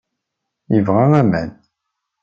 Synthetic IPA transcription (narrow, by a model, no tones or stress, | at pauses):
jəvʁaæmæn